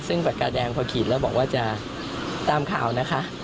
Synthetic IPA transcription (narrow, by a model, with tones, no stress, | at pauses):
sɯ˥˩ŋpa˨˩ka˧dɛː˧ŋpʰɔː˧kʰiː˨˩lɛː˦˥wbɔː˨˩k̚waː˥˩t͡ɕa˨˩ | t̪aː˧mkʰa̰ː˨˩wna˦˥kʰa˦˥ʔ